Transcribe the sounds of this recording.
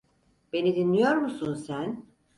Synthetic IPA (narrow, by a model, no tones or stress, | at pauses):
b̥e̞nid̪inːijo̞ɾmusunsæn